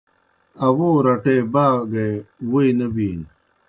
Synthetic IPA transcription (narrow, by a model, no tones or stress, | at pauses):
ɐwoːɾɐʈeːbaːɡewuinɐbiːn